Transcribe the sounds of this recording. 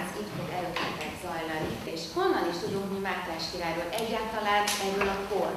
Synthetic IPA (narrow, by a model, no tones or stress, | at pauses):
zit̪fod̪ɛløkɛt̪ːɛt̪z̥ɒjlɒni | eʃho̞nːɒliʃt̪ud̪uŋkmimaːt̪ɛːʃkiɾaːjɾoːlʔɛɟraːt̪ɒlaːnɛrøːlɒkor